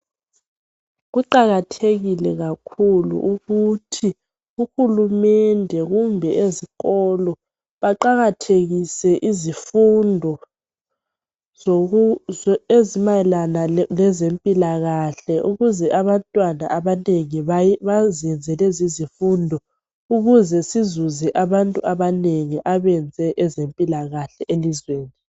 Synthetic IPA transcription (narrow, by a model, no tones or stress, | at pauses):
ɣuǃaɣatʰeɣilɛɣakʰulṵʔuɣutʰi | uxulumɛndʱɛɣumbʱɛʔeziɣɔlɔ | βaǃaɣatʰeɣisɛʔizifundʱɔ | ezimajɛlanalɛzempʼilaɣaɬɛʔuɣuzɛʔaβantʼwana̰ʔaβaneŋiβaβaziɛnd͡zʱɛlɛzizifundʱɔ | uɣuzɛsizuzɛʔaβantʼuʔaβaneŋiʔaβɛnd͡zʱɛʔɛzempʼilaɣaɬɛʔelizweːni